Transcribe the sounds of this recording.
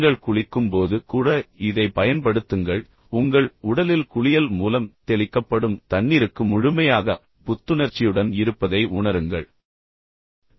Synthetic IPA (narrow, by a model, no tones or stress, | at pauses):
ɡɐɭkʊɻɪkːɯmpoːðɯkuːɽɐɪðɐɪpɐjɐnpɐɽɯt̪ːɯŋɡɐɭ | ʊŋɡɐɭʊɽɐlɪlkʊɻɪjɐlmuːlɐmt̪ɛɭɪkːɐpːɐɽɯmt̪ɐnːiːɾɯkːɯmʊɻʊmɐjaːɣɐ | pʊt̪ːɯnɐɾt͡ʃːɪjɯɽɐnɪɾɯpːɐðɐɪʔʊɳɐɾɯŋɡɐ̰ɭ